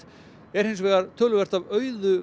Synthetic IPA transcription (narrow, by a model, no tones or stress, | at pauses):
ɛɾ̥hejnsvɛːɣaɾt̪ʰœːlʏvɛr̥t̪avœːɥðʏ